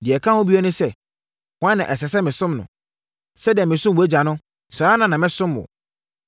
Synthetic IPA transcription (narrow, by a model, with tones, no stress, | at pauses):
dɪ˨ɛ˨kʰã˦hʊ̃˦bi˦ɛ˦nʊ̃˦sɛ˦ | kwã˦nːã˨ʔɛ˨sɛ˨sɛ˦mɪ̃˨sʊ̃˦mnʊ̰̃˨ | sɛ˦di˨ɛ˨mɪ̃˨sʊ̃˦mwu˨æ˦d͡ʑa˨nʊ̃˦ | sɾaː˦nã˨nã˨mɪ̃˦sʊ̃˦mʊ̰̃˨